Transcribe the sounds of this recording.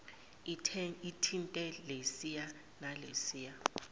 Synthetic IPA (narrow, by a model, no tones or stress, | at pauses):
itʰintʼɛlesija | nalesiːja